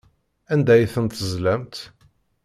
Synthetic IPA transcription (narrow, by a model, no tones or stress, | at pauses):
ænd̪æjθənt̪əzlæmt̪